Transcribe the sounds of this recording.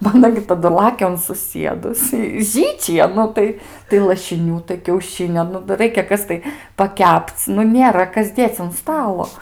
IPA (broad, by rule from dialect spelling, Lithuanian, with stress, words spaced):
ˈbɐ ɐˈnɐ ɡʲɪ tɐˈdʊ ˈlˠɑːkʲɛ ʊn sʊˈsʲiɛdʊs ɪ ˈʒʲiːt͡ʃʲɪjɛ ˈnʊ tɐɪ tɐɪ lˠɐʃʲɪˈnʲuː tɐɪ kʲɛʊˈʃʲɪnʲoː ˈnʊ dɐr ˈrɐɪkʲɛ ˈkɐs tɐɪ pɐˈkʲɛpt͡s ˈnʊ ˈnʲeːrɐ ˈkɐs ˈdʲeːt͡s ʊn ˈstɑːlˠoː